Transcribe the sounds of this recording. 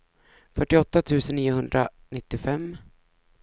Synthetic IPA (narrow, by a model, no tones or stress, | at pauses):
fœʈːɪɔt̪ːat̪ʰʉ̟ːsənːiːʊhɵnd̪ɾa̰ | nɪt̪ːɪfɛmː